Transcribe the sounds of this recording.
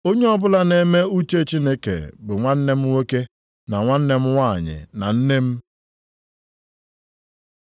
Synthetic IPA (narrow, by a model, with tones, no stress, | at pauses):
o˦ɲe˦ɔ˦bʊ˦la˦ne˦me˦u˦t͡ʃe˦t͡ʃi˦ne˦kḛ˨bʊ˨ŋʷa˦n̩˦ne˦m̩˦ŋʷe˦ke˦ | na˨ŋʷa˦n̩˦ne˦m̩˦wʷa˦˨ɲɪ̰˨na̰˨n̩˦ne˦m̩˦